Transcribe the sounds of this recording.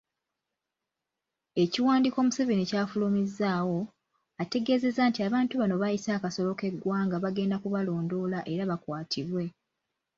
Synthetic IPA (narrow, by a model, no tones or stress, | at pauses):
e̞ciwaːndiko̞ːmuseβinicaːfulumizːaːwo̞ | ate̞ɡe̞ːze̞zantiaβaːntuβano̞βajisaːkaso̞lo̞ke̞ɡːwaːŋɡaβaɡe̞ːndakuβalo̞ːndo̞ːlaʔe̞ɾaβakwaːtʰiβwe̞